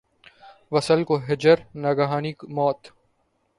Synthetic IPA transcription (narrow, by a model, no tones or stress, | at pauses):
ʋɐsəlkoɦɪd͡ʒəɾnɐɡaɦaːnikmɔːt̪